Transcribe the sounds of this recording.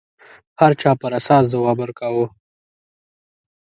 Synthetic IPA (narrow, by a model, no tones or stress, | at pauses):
haɾt͡ʃɑːpəɾasɑːs̬zawɑbəɾkawu